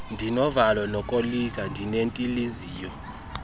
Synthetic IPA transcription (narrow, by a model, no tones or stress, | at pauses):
ndʱinɔvalɔnɔkʼolik̬ʼandʱinentʼiliziːjɔ